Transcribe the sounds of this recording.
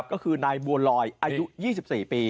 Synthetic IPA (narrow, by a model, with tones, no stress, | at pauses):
p̚kɔː˥˩kʰɯː˧naː˧jmu˧əlɔː˧jʔaː˧ju˦˥jiː˥˩si˨˩p̚siː˨˩piː˧